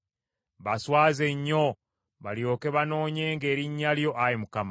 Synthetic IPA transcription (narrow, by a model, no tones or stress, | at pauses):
βaswaːze̞ɲːo | βaljo̞ːke̞βano̞ːɲe̞ːŋɡe̞ːɾiɲːaljo̞ʔajemukama